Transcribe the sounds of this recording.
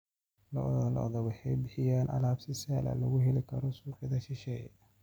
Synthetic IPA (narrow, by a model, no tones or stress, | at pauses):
lɔl̰ɔ̰ðɔwɑħɛjbɪħɪjaːnʔɐ̰laːbsɪsɛːlɐ̰lɐɣʊɦɛlɪkʰɐɾɔsuːqɪðɐʃɪʃɛːj